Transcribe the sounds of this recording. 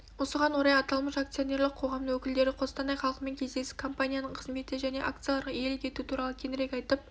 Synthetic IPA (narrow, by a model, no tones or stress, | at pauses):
wo̞səʁɑnwo̞ɾɑjɑt̪ɑlˠməʃakt̪sɨjonʲe̞ɾlˠɪqʰo̞ʁɑmd̪əwɵkʲɪld̪e̞ɾɪqʰo̞st̪ɑnɑjχɑlˠəqme̞ŋkʲʰe̞zd̪e̞sɪ̥kʰo̞mpanʲijanəɴqʰəzme̞t̪ɪʒæne̞̰ʔak̚t̪sɨjalˠɑɾʁɑe̞lɪkʲʰe̞t̪ut̪ʰuɾɑlˠəkʲʰe̞nɪɾekʲɑjt̪əp̚